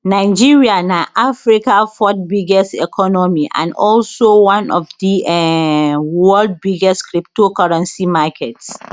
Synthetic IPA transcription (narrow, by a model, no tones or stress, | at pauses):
naɪd͡ʒiɹianaʔafɹikafɔt̚biɡɛstɛ̰kʰɔnɔmiʔã̰ndɔlsowãnɔfdiɛ | wɛld̚biɡɛskɹip̚tokaɹãnsimakʰɛts